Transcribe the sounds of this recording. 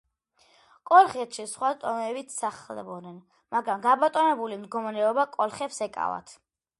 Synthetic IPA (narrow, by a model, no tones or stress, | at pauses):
kʼɔlˠχɛt̪ʃisχwat̪ʼɔmɛbit̪ʰsaχlɛ̰bɔnɛn | maɡɾamɡabat̪ʼɔmɛbulimd̪ɡɔmɾɛɔbakʼɔlˠχɛpsɛkʼa̰va̰t̪ʰ